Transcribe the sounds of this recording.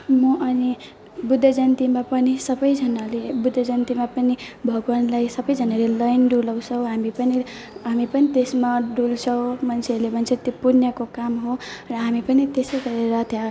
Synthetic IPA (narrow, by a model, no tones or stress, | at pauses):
mʌʔʌni | bud̪ʱːʌd͡zʌnt̪imapʌnisʌbʌjd͡zʱʌnalebud̪ʱːʌd͡zʌnt̪imapʌnibʱʌɡwanlajsʌbʌjd͡zʱʌnalelʌjnɖulʌw̃sʰʌw̃ɦamipʌni | ɦamipʌnit̪esmaɖult͡sʰʌw̃mʌnsʰelebʱʌnt͡sʰet̪opuɾnjʌkokamɦorʌɦamipʌnit̪esʌjɡʌɾeɾʌt̪ʰja